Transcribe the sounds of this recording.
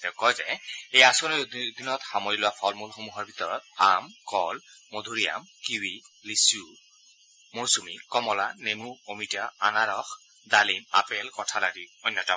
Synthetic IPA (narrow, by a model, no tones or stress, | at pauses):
t̪ɛʊkɔjzɛejasɔnid̪ʱinɔt̪xamɔjilʊwapʰɔlmulxomuɦɔɹbʱit̪ɔɹɔt̪̚amkɔlmod̪ʱuɹija̰mkiwilisu | moɹsumikɔmɔlanemuomitaa̰naɹɔx | d̪alima̰pɛlkɔtʰalaɡiɔjnːɔta